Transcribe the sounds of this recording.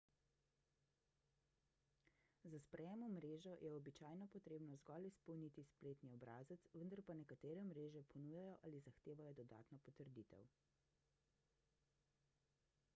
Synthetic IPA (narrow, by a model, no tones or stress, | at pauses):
zaspɾɛjɛːmɔmɾeːʒɔjʔɛɔbit͡ʃaːjnɔpɔt̪ɾeːbnɔzɡɔlispɔwnit̪ispleːt̪niɔbɾaːzət̪sʋənd̪aɾpanɛkat̪eːɾɛmɾeːʒɛpʰɔnujajɔʔalizaxt̪eːʋajɔd̪ɔd̪a̰ːt̪nɔpɔt̪əɾd̪it̪ɛ̰w